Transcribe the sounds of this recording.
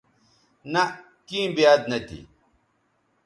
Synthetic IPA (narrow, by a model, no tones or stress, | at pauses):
nɐ | kĩbijaːd̪nɐt̪ḭ